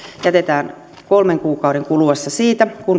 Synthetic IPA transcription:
jæt̪et̪æːn | kolmeŋkuːkɑuɾeŋkuluʋɑst̪ɑsiːt̪ækun

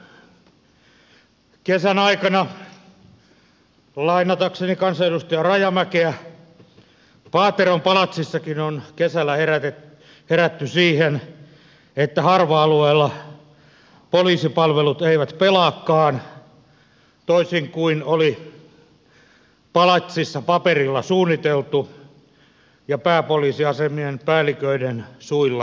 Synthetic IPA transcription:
kesænɑikɑnɑ | lɑinːɑt̪ɑksenikɑnsɑeɾust̪ojɑrɑjɑmækeæ | pɑːt̪erompɑlɑt̪sisːɑkinonkesælːˑæheræt̪e | heræt̪ːysiːhen | et̪ːæhɑrʋɑɑlueːlːɑ | poliːsipɑlʋelut̪eiʋæt̪pelɑːkːɑːn | t̪oisiŋkuinoli | pɑlɑt̪sisːɑpɑperilːɑsuːnːit̪elt̪u | jɑpæːpoliːsiɑsemienpæːlːˑikøinensuilːɑ

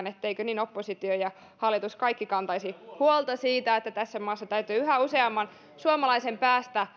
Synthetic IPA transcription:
net̪ːeikøniːnopːosit̪iojɑ | hɑlːit̪uskɑikːikɑnt̪ɑisihuolt̪ɑsiːt̪æet̪ːæt̪æsːæmɑːsːɑt̪æyt̪yːyɦæuseɑmːɑn | suomɑlɑisempæːst̪æ

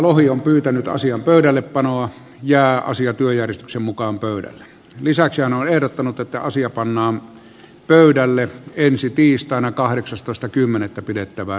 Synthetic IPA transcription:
lohiompyːt̪ænyt̪ɑ̰siɑmpøˑyɾælːeppɑnoɑ | jæˑːɑ̰siɑt̪yøjærjest̪yksemmukɑːmpøˑyɾæ̰lːe | lisæksihænonehɾot̪ːɑnut̪et̪ːæ̰ɑsiɑpɑnːɑːm | pøˑydælːeensit̪iːst̪ɑˑenɑkɑheksɑst̪oˑest̪ɑkymːenet̪ːæpidet̪ːæʋæ

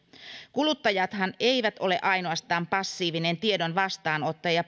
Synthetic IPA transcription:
kulut̪ːɑjɑt̪hɑneijʋæt̪ʔo̞le̞ʔɑjnoɑst̪ɑːmpɑsːiːʋine̞nt̪ie̞do̞nʋɑst̪ɑːno̞t̪ːɑjɑ

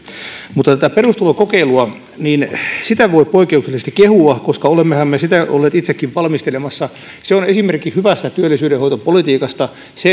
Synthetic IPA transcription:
mut̪ːɑt̪æt̪æperust̪ulokokeiluɑ | ninsit̪æʋoipoikːˑeukselːˑist̪ɑ̥kehuɑkoskɑolemːehæmːesit̪æo̰lːeːt̪it̪sekːiʋʋɑlmist̪elemɑsːɑ | seonesimerkihyʋæst̪æt̪yølːˑisyːɾehoit̪opolit̪iːkɑst̪ɑ | se

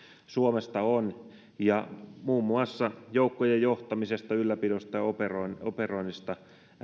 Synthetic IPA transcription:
suomest̪ɑon | jɑmuːmːuɑsːɑjoukːojejjoht̪ɑmisest̪ɑylːæpidost̪ɑoperonoperoinːist̪ɑ

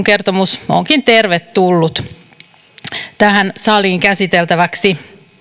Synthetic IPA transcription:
ŋke̞rt̪omuso̰ŋkint̪e̞rʋet̪ːulːut̪ | t̪æhænsɑliːŋkæsit̪elt̪æʋæksi

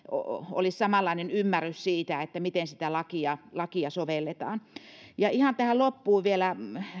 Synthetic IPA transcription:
o̰o̰lissɑmɑlːˑɑinenymːærːyssiːt̪æet̪ːæmit̪ensi̥t̪ælɑkiɑlɑkiɑsoʋelːet̪ɑːnjɑihɑnt̪æhælopːuːʋʋielæ

